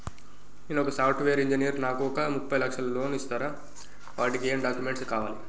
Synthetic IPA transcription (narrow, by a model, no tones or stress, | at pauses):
inɔkɐsɐwʈʰʋeːɾiɲd͡ʒinijɐɾnaːkuɔkɐmupːɐjlɐkʂɐlɐloːnist̪aːɾaː | ʋaːɾɐʈikieːmɖaːkjume̞ɳʈskaːʋaːli